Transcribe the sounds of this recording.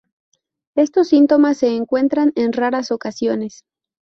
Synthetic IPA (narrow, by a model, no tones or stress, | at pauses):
e̞st̪o̞sːint̪o̞masːe̞ːŋkwe̞nt̪ɾane̞nraɾaso̞kasjo̞ne̞s